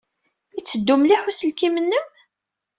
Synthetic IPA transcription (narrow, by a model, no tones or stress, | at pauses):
it͡sːəd̪ːumliħusəlkimənːəm